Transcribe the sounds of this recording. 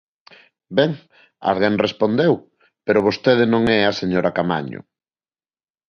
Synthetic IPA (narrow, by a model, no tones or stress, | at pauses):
bɛŋ | a̰lɣeŋrespond̪ew | peɾoβ̞ost̪eð̞enõŋɛaseɲoɾakama̰ɲo̰